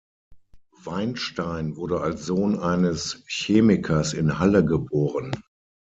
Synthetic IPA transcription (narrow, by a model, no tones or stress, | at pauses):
v̥aɪnʃtaɪnvʊɐɾəalsz̥oːnʔaɪnəsçeːmɪkʰɐsɪnhaləɡəboːʁən